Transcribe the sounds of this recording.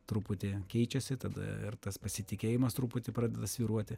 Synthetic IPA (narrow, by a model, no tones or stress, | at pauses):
t̪ɾʊpʊt̪ʲeːkʲɛɪt͡ʃʲɛsʲɪt̪ɐd̪ɐ̰ɪ̰rt̪ɐspɐsʲɪt̪ʲɪkʲeːjɪmɐst̪ɾupʊt̪ʲɪːpɾɑːd̪ʲɛd̪ɐsʲʋʲiːɾuɔt̪ʲɪ